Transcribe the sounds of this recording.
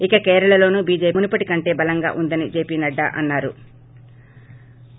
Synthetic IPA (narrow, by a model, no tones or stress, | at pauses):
ikɐkɛːɾɐɭɐlo̞ːnubiːd͡ʒe̞ːmunupɐʈikɐɳʈe̞ːbɐlɐŋɡa̰ːʔund̪ɐnid͡ʒe̞ːpiːnɐɖːɐ̰ːʔɐ̰nːaːɾṵ